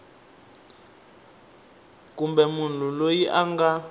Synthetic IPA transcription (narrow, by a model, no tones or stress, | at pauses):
k̬ʼumbɛmundʱulojiʔaŋɡa